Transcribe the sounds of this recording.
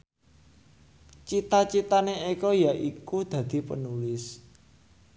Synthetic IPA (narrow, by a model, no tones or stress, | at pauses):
t͡ʃit̪at͡ʃit̪aneekɔjaʔikud̪̥ä̤d̪̥i̤pə̰nulɪs